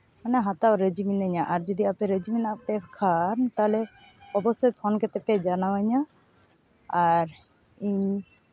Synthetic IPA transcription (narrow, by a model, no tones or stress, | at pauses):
manaɦat̪aɾəd͡ʒiminaɲaʔaɾd͡ʒɔd̪iapɛɾəd͡ʒiminapɛpkʰant̪alɛ | ɔbɔst̪ɔjpʰɔnkɛt̪ɛpɛd͡ʒanawaɲa | aɾ | iɲ